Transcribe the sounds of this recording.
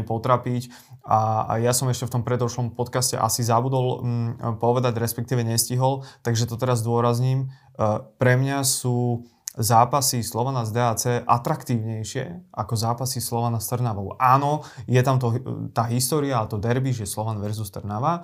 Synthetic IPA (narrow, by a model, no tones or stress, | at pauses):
ɛpɔt̪ɾapic | ajasɔmɛʃcɛft̪ɔmpɾɛd̪ɔʃlɔmpɔt̪kascɛ̰ʔa̰sizabud̪ɔlpɔʋɛd̪aɟɾɛspɛk̚t̪iːʋɛɲɛsciɦɔlt̪aɡʒɛt̪ɔt̪ɛɾazd̪ʊɔɾazɲiːm | pɾɛmɲasuː | zaːpasislɔʋanazd̪ɛːat͡sɛːʔat̪ɾakt̪iːʊɲɛjʃɪɛ̰ʔakɔzaːpasislɔʋanast̪r̩naʋɔʊʔaːnɔjɛt̪amt̪ɔt̪aːɦist̪ɔːɾiaat̪ɔd̪ɛɾbiʒjɛslɔʋanʋɛɾzust̪r̩naʋa